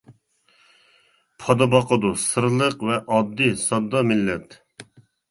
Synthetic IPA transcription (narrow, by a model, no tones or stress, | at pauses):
pʰɑd̪ɑbɑqʰəd̪usɨɾlˠəqvɛʔɑd̪ːisɑd̪ːɑmɪlːɛt̪